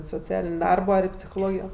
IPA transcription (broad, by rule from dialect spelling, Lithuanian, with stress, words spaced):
soːˈt͡sʲæːlʲɪnʲ ˈdɐrboː ɐr pʲsʲɪxoːˈlˠoːɡʲɪjoː